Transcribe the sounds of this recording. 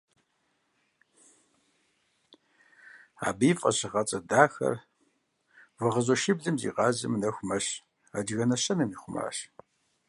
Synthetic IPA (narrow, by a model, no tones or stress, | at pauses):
a̰ːbiːfʼɐ̰ɕɪʁɐt͡sʼɐdaːxɐ̰r | vɐʁɐʑɔʃɪbɮɨmzḭːqɑːʑɐ̰mnɐxʷmɐɕ | ad͡ʒɣɐnɐɕɐnɨmiːχʷʊma̰ːɕ